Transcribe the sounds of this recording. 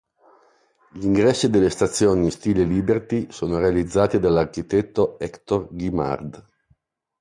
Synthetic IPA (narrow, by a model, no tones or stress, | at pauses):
ʎiŋɡɾɛsːid̪elest̪at̪sːjoːnist̪iːleliːbert̪isoːnoɾealid̪zːaːt̪id̪alːarkit̪ɛt̪ːoɛkt̪orɡima̰rd̪